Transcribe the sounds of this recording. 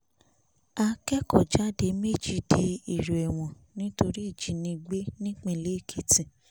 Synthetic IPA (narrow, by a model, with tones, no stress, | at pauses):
a˧kɛ˦kɔ˦˨d͡ʒa˦de˧me˦˨d͡ʒi˦de˧i˨ɾu˨ɛ˨w̃ɔ̃˨ | nĩ˦to˧ɾi˦i˦˨d͡ʒi˨˦nĩ˧ɡ͡be˦nĩ˦k͡pẽ˦˨le˨˦i˦˨kʰi˨tĩ˨